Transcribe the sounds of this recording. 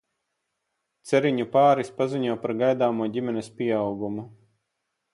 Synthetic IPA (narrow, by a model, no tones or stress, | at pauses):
t̪sɛɾiɲupaːɾispaziɲuɔpaɾɡajd̪aːmuɔɟʲimɛnɛspʲiɛawɡumu